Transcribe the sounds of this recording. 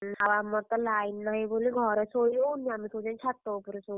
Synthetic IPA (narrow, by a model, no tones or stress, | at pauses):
nawamːɔɾt̪ɔlajnːaɦiboliɡʱɔɾesojlownːiamit̪ʰod͡ʒant͡ʃʰat̪ːɔupɔɾeso